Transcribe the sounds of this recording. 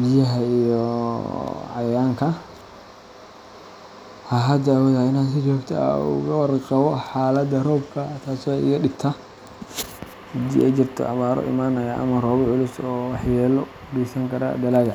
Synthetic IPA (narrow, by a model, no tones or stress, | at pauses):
bɪjɐɦɐijɔ | ʕɑjaːŋkʰɐ | haɦɐd̪ɐːwɔðɐɪnaːnsɪt͡ʃɔːɡt̪ʰɐ̰ʊ̰ɣɐwɑrqɑβɔħaːlɐd̪ɐrɔːbkʰɐt̪ʰaːsɛɪ̰ɣɐɗɪbt̪ʰa | hɐd̪ḭʔɛ̰t͡ʃɪrt̪ʰɔ̰ʔɐ̰maːɾɔ̰ʔɪ̰maːnɐjaʔɐ̰mɐrɔːβɔʕʊlʊsɔːwɑħjɛːlɔ | ɡɛsɐŋkʰɐɾa̰d̪ɐlaːɣɐ